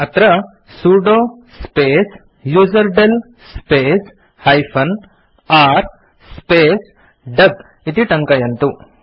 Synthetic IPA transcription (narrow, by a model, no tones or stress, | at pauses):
ɐt̪ɾɐ | suɖoː | speːs | juːd͡ʒɐɾɖel | speːs | hɐjpʰɐn | aːɾ | speːs | ɖɐɡ | it̪iʈɐŋkɐjɐnt̪u